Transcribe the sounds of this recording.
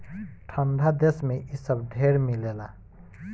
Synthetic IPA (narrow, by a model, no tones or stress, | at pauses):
ʈʰəɳɖʱad̪esmeʔisəbɖʱeɾmilela